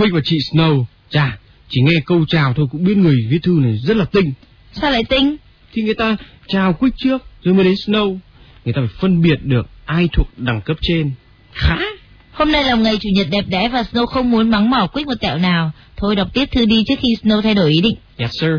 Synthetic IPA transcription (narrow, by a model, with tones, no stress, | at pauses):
kwi˦˥k̟̚vaː˨˩t͡ɕḭ˧˨snə˧w | zaː˧˩ | t͡ɕi˧˩ŋɛ˧kə˧wt͡ɕaː˨˩wt̪ʰo˧jkʊ̰˧˥ŋ͡mɓi˦˥t̚ŋɨ˨˩əjvḭ˧˥ət̪ʰɨ˧na˨˩jzə˦˥t̚laː˨˩t̪ï˧ŋ̟ | saː˧la̰ː˧˨t̪ï˧ŋ̟ | t̪ʰi˨˩ŋɨ˨˩əjt̪aː˧ | t͡ɕaː˨˩wkwi˦˥k̚t͡ɕɨ˦˥ək̚zo˨˩jmə˨˦jɗe˨˦nsnə˧w | ŋɨ˨˩j̪aː˧faː˧˩jfə˧nɓi˨˩ət̚ɗɨ˨˩ək̚ʔaː˧jt̪ʰu˨˩ək̚ɗa˨˩ŋkə˦˥p̚t͡ɕe˧n | xaː˨˦ | ho˧mna˧jla˨˩wŋ͡mŋa˨˩jt͡ɕu˧˩ɲə˨˩t̚ɗɛ˨˩p̚ɗɛ̰˧˥vaː˨˩snə˧wxə˧wŋ͡mmu˨˦ənma˨˦ŋmɔ˧˩kwi˦˥k̚mo˨˩t̚t̪ɛ̰˧˨wnaː˨˩w | t̪ʰo˧jɗa˨˩wk͡p̚t̪i˦˥əp̚t̪ʰɨ˧ɗi˧t͡ɕɨ˦˥ək̚xi˧snə˧wt̪ʰa˧jɗo˧˩jʔi˨˦ɗḭ˧˨ŋ̟ɲa˨˩t̚səː˧